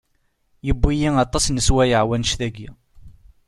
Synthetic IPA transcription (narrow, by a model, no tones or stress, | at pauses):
jəbːijiŋɑt̪ˤɑsnəswæjəʕwænʃθæɡi